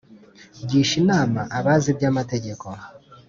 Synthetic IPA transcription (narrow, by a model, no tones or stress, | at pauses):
ɟiːʃinaːmaʔaβaziβjaːmate̞ɟe̞ko̞